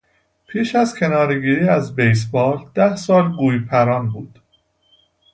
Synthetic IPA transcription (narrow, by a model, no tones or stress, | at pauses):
pʰiːʃæzcʰe̞nɒːɾeɡiːɾiːæzbejs̬bɒːld̪̥æhsɒːlɡuːjpʰæɾɒːnbuːd̪̥